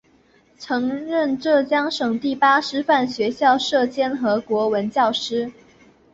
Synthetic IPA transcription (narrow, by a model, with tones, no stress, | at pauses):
ʈ͡ʂʰɤ˧˥ŋɻə˥˧nʈ͡ʂɤ˥˩t͡ɕjɑ˥ŋʂɤ˨˩ŋt̪i˥˩pa˥ʂɻ̩˥fa˥˩nɕɥɛ˧˥ɕjɑ˥˧ʊʂɤ˥˩t͡ɕjɛ˥nxɤ˧˥kwɔ˧˥wə˧˥nt͡ɕjɑ˥˩ʊʂɻ̩˥